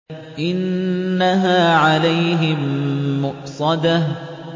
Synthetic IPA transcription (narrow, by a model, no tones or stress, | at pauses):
ʔɪnːaɦaːʕalajɦɪmːʊʔsˤɑd̪a